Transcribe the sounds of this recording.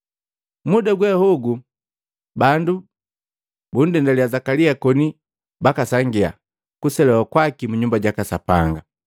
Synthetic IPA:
mudaɡwɛhuɡu | bandu | bun̩dɛndaliazakaliakɔni | bakasaŋɡia̰ | kusɛlɛwakwakimuɲumbaɟakasapaŋɡa

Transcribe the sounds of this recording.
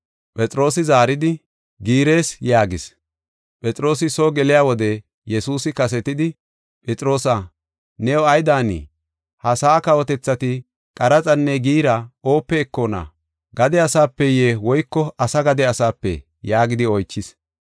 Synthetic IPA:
pʼɛt͡sʼɾo̞ːsɪzaːɾɪd̪ɪ | ɡiːɾe̞ːsjaːɡɪs | pʼɛt͡sʼɾo̞ːsɪsoɡɛlɪjaːwɔd̪ɛ | jɛsuːsɪkɐs̬ɛt̪ɪd̪ɪ | pʼɛt͡sʼɾo̞ːsɐ | nɛwɔɐjd̪aːnḭː | hɐsaːkɐwɔt̪ɛt͡sːɐt̪ɪ | kʼɐɾɐt͡sʼɐnːɛɡiːɾɐo̞ːpːeːkːonɐ̰ | ɡɐd̪ɛɐsaːpːɛjeːwɔjkːɔɐsɐɡɐd̪ɛɐsaːpːɛ̰ | jaːɡɪd̪ɪɔjt͡ʃːɪs

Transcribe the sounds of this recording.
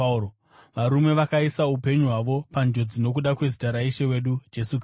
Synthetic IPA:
ʋaɾume̞ʋakaisaupe̞ɲuɦwaʋo̞pand͡ʒo̞d͡zino̞k̬uɗakwe̞zitaɾaiʃewe̞ɗud͡ʒe̞suk

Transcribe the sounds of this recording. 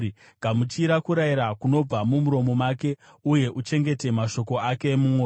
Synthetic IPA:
i | ɡ̥ʱamut͡ʃiɾakuɾaiɾakuno̞b͡vamumuɾo̞mo̞maːke̞ | uje̞ʔut͡ʃe̞ŋɡe̞te̞maʃo̞ko̞ake̞ːmumoː

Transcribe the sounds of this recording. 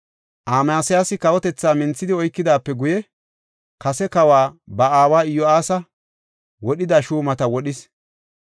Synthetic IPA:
ʔaːmaːsɪjaːsɪkɐwɔt̪ɛt͡sːaːmɪnt͡sːɪd̪ɪɔjkːɪd̪aːpːɛɡʊjɛ | kɐsɛkɐwaːbɐaːwaːɪjɔaːsɐ | wɔɗɪd̪aːʃuːmɐt̪ɐwɔɗɪs

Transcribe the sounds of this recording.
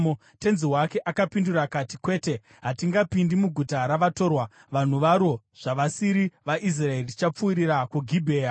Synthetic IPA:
o | te̞nziwake̞ʔakapindurakatikwe̞ːte̞ | ɦatiŋɡapindimuɡʱutaɾaʋato̞rwa | ʋan̤uʋaɾo̞ | ʐ̥aʋasiɾiʋaʔis̬rae̞riti̥t͡ʃap͡fuːɾiɾakuɡʱibʱe̞ːja

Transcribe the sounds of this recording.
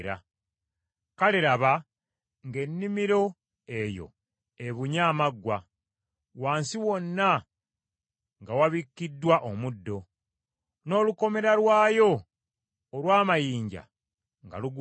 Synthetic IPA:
ɾa̰ | kaliɾaβa | ŋɡe̞nːimiɾo̞ | e̞jo̞̰ | e̞βuɲaːmaɡwa | waːnsiwo̞nːa | ŋɡawaβikːidːwaʔomudːo̞ | no̞ːluko̞me̞ɾalwaːjo̞ː | lwaːmajiːɲɟa̰ | ŋɡa̰luɡ

